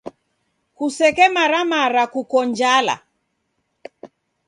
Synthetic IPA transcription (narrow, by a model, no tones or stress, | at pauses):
kusɛkɛmaɾamaɾakukɔnd͡ʒala̰